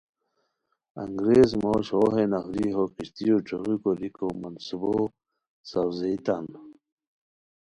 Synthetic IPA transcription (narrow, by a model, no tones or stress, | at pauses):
ɐ̰ŋɡɾeːzmoɕoɦenahɾiɦokiɕt̪ijoʈ͡ʂoʁukolikomɐnsubo | sɐwzejt̪an